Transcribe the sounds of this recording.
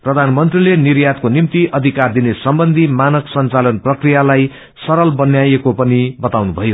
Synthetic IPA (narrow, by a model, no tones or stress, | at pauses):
prʌd̪ʱanmʌnt̪rilenirjat̪̚konimt̪iʔʌd̪ʱikard̪inesʌmbʌnd̪ʱimanʌksʌnt͡salʌnprʌkrijalaj | sʌɾʌlbʌnjajekopʌnibʌt̪awnubʱʌjo